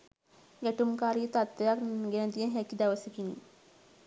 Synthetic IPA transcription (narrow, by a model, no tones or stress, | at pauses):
ɡæʈumkaːɾiət̪at̪ːejakɡenəd̪ijənɦɛkid̪aʋəsəkinḭ